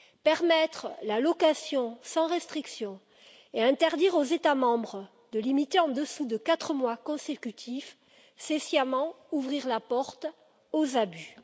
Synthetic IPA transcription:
pɛʁmɛt̪χəlalɔkasjɔ̃sɑ̃ʁɛst̪χiksjɔ̃ | eɛ̃t̪ɛʁd̪iʁozet̪amɑ̃bʁə | d̪əlimit̪eɑ̃d̪əsud̪əkat̪χəmwakɔ̃sekʲyt̪ʰif | sesjamɑ̃ | uvʁiʁlapɔʁt̪ | ozaby

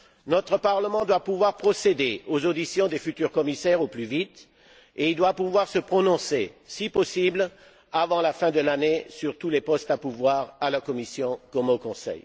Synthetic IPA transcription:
nɔt̪χəpaʁləmɑ̃d̪wapuvwaʁpχɔsed̪eozod̪isjɔ̃d̪efyt̪yʁkɔmisɛʁoplyvit̪ | eild̪wapuvwaʁsəpχɔnɔ̃sesipɔsibl | avɑ̃lafɛ̃d̪əlanesyʁt̪ulepɔst̪apuvwaʁalakɔmisjɔ̃kɔmokɔ̃sɛ̰j

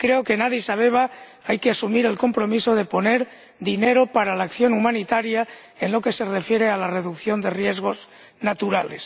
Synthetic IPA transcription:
kɾe̞okenaðjesaβ̞e̞β̞a | ajkeasumiɾe̞lko̞mpɾo̞miso̞ð̞e̞po̞ne̞ɾ | d̪ine̞ɾo̞paɾalaːkθjo̞numãnit̪aɾja | enlo̞ke̞se̞re̞fje̞ɾe̞alare̞ðukθjo̞nd̪e̞rje̞zɣ̞o̞z | nat̪uɾale̞s

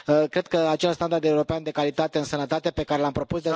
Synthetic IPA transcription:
əkɾe̞d̪̚kəat͡ʃe̞lst̪and̪ard̪e̞uɾo̞peand̪e̞kalit̪at̪e̞ɨnsənət̪at̪e̞pe̞kaɾe̞lampɾo̞pusd̪e

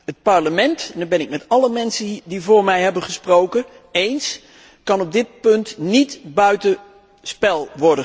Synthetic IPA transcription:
ɦət̚pɑɹləmɛntɛndəbɛnɪk̚mɛtɑləmɛnsədivʊːɹmɛjɦɛbənχəsprowkə | ejns | kɑnɔb̚dɪt̚pɵntnitbœɥtə | spɛlˠʋɔɹdə

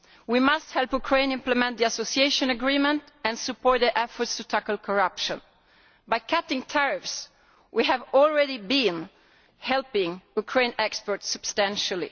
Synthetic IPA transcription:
wimasthɛlˠpukʰɹẽɪ̃nɪ̃mpləmɛ̃nt̪̚d̪iasosieʃɔ̃nəɡɹimə̃nt | ɛ̃nsɨpɔɹt̪̚d̪iʔɛfɔɹtstutʰækəl̩ˠkʰɔɹʌpʃə̃n | bajkʰætɪ̃ŋtʰɛɹɪfs | wʔiɦævɔlɹɛɾibĩn | hɛlpɪ̃ŋukʰɹẽɪ̃nɛkspɔɹtsɨb̥stæ̃nʃəlḭ

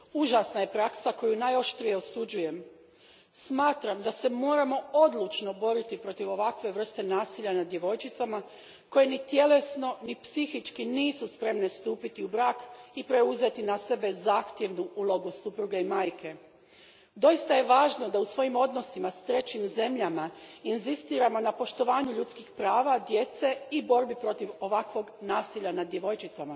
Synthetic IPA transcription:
uʒasnaje̞pɾaksako̞junajo̞ʃt̪ɾije̞o̞sud͡ʑuje̞m | smaːt̪ɾamd̪ase̞mo̞ːɾamo̞o̞d̪lˠut͡ʃno̞bo̞ɾit̪ipɾo̞t̪iʋo̞ʋakʋe̞ʋr̩st̪e̞naːsiʎanad̪je̞ʋo̞jt͡ʃit̪sama | ko̞je̞nit̪je̞le̞sno̞nipsixit͡ʃkiniːsuspɾe̞mne̞st̪uːpit̪iubɾaːkipɾe̞uze̞t̪inase̞be̞zaːxt̪je̞ʋnuʔuːlo̞ɡusupɾuɡeimaːjke̞ | d̪o̞jist̪aje̞ʋaːʒno̞d̪ausʋo̞jimo̞d̪no̞simast̪ɾe̞t͡ɕimze̞mʎamainzist̪iːɾamo̞napo̞ʃt̪o̞ʋaːɲuʎut̪skixpɾaːʋad̪je̞t̪se̞ibo̞ɾbipɾo̞t̪iʋo̞ʋakʋo̞ɡnaːsiʎanad̪je̞ʋo̞jt͡ʃit̪sama

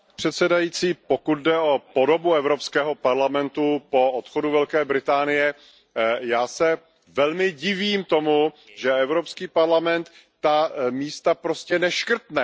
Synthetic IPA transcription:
pr̝̥ɛt̪sɛdajiːt͡siːpo̞kut̪̚dɛo̞po̞do̞buɛvɾo̞pskɛːɦo̞paɾlamɛnt̪upoot̪xoduvɛlkɛːbɾɪt̪aːnɪjɛ | jaːsɛ | vɛlmɪɟɪviːmt̪o̞mu | ʒɛɛvɾo̞pskiːpaɾlamɛnt̪ː | amiːst̪apɾo̞scɛnɛʃkr̩t̪nɛ

